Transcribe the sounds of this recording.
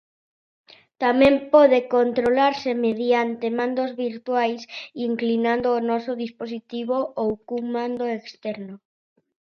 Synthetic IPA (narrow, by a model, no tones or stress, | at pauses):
t̪amẽmpɔðekont̪ɾolaɾsemeð̞jant̪emãnd̪ozβiɾt̪wajsiŋklinãnd̪oːnɔsoðisposit̪iβ̞oʔowkuŋmãnd̪oekst̪ɛɾno